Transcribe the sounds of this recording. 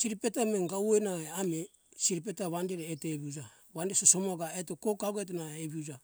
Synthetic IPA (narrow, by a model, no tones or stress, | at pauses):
siɾipetameŋɡawenaeame | siɾip̬etaβandeɾeːteβiud͡ʒa | βandesoso̞moɡaetokokaɡoet̬enaeeβiud͡ʒa